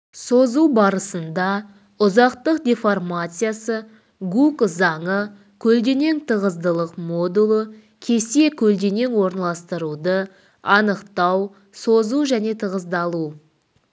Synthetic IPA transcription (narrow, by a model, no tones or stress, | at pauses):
so̞zuwbɑɾəsənd̪ɑ | ʊzɑqt̪əqd̪ʲefo̞rmat̪sɨjasə | ɡukzɑɴə | kʲʰɵld̪e̞ne̞ŋt̪ʰəʁəzd̪əlˠəqmo̞d̪ulˠə | kʲʰe̞se̞kʲʰɵld̪e̞ne̞ŋwo̞ɾənɑlˠɑst̪əɾud̪ə | ɑnəqt̪ɑw | sozuʒæne̞t̪ʰəʁəzd̪ɑlˠu